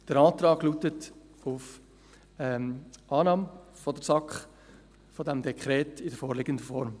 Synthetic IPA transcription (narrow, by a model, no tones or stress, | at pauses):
d̥əɾɑːt̪rɑːɡluːtət | ʊf | ɛʔɑːnɑːm | fɔdəɾsɑkχ | fɔdɛmdɛkχɾɛːtɪdəfoːɾlɪɡəndəfɔɾm